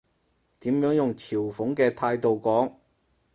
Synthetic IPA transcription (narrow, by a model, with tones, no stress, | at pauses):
t̪iː˨˥mjœː˨˥ŋjʊ˨ŋtʰiː˨˩wfʊ˨˥ŋkɛː˧t̪ʰaː˧jt̪o˨wkɔː˨˥ŋ